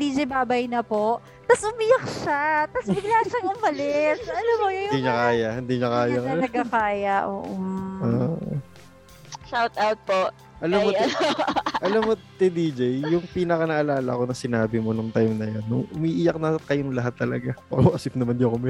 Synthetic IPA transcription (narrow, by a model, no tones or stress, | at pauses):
d̪iːd͡ʒɛjbaːbɐjnɐpo̞ʔ | t̪ɐsʔʊmijɐk̚ʃat̪ɐsbɪɡlaːʃɐŋʊmɐlɛt̪ɐlamːojojʊd̪iɲakaːjɐhɪnd̪iɲɐkaːjɐɐɡɐkaːjɐʔo̰ːʔooːʔo̰ | ʃawt̪awt̪̚poʔ | ʔɐlamːo | ʔɐlamːot̪ɛd̪iːd͡ʒɛjjːʊŋpiːnɐkɐnɐʔɐlaːlɐ̰ɐkonɐsɪnaːbɪmonʊŋt̪ajmnɐjonːʊŋʔʊmiːʔijɐk̚nɐkɐjʊŋlɐɦat̪ːɐlɐ̰ɡapa̰oʔɐsɪp̚nɐmand̪iɐkʊmɪ